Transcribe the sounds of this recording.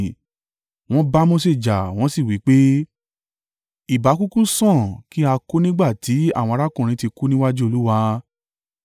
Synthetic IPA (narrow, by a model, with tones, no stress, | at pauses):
w̃ɔ̃˦ba˦mɔ̃˦se˦˨d͡ʒa˨w̃ɔ̃˦si˦˨wi˨˦k͡pe˦ | i˨ba˨˦ku˦kũ˦sɔ̃˦˨ki˦a˧ko˦nĩ˦ɡ͡ba˦˨tʰi˨˦a˦˨wɔ̃˧ɾa˦kũ˦˨ɾ̃ĩ˧˦ti˧ku˦nĩ˦wa˦d͡ʒu˦o˧lu˦wa˧